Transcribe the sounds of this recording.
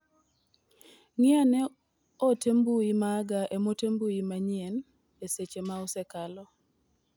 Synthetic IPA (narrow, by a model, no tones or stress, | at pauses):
ŋɪanɛ | otembuimaɡaʔemotembuimaɲien | eset͡ʃemaɔsɛkalɔ